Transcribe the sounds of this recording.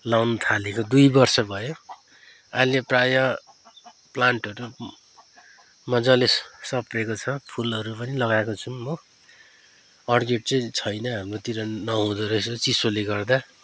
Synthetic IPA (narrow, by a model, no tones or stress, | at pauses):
lawnʌt̪ʰalekod̪ujbʌrsʌbʱʌjo | aljeprajʌ | plaɳʈʌɾu | mʌd͡zʌlessʌprekot͡sʰʌpʰulʌɾupʌnilʌɡaekot͡sʰunmʌ | ʌrɡeʈ̚t͡sʌj̃t͡sʰʌjnʌɦamrot̪iɾʌnʌɦũd̪ʌɾʌjsʌt͡sisoleɡʌrd̪a